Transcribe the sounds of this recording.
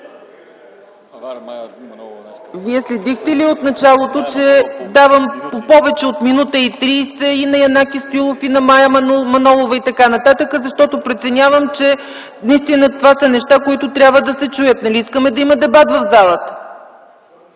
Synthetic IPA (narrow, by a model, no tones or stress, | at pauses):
viɛslɛd̪ixt̪ɛliot̪nɐt͡ʃalˠot̪ot͡ʃɛd̪avəmopɔvɛt͡ʃɛot̪minut̪əit̪ɾiːsɛinɐjɐnakist̪oilˠofinɐmajɐmɐnɔlˠovɐit̪ɐkanɐt̪at̪əkəzɐʃt̪ɔt̪opɾɛt̪sɛnʲavəmt͡ʃɛ | nɐist̪inət̪ovasɐnɛʃt̪akoit̪ʊt̪ɾʲabvəd̪ɐsɛt͡ʃujət̪nɐliiskəmɛd̪ɐimɐd̪ɛbat̪vɐvzalˠət̪ə̥